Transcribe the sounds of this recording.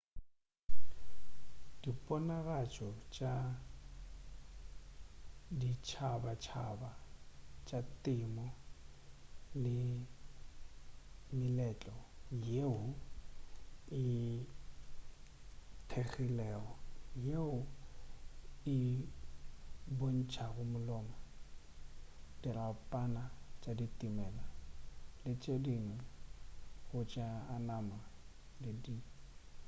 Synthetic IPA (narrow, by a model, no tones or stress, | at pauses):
d̥ipʼɔnaɣat͡ʃʼɔt͡ʃʼa | dit͡ʃʰabat͡ʃʰabat͡ʃʼatʼɪmɔ | lɪ | mɪlɛt͡ɬʼɔjeʊ | ɪ | tʰeɣilɛːɣɔjeʊ | ɪ | bon̩t͡ʃʰaɣʊmʊlɔːma | d̥irapʼanat͡ʃʼaditʼimɛlalɪt͡ʃʼedinɪ | ɣʊt͡ʃʼaːnama | lɪdi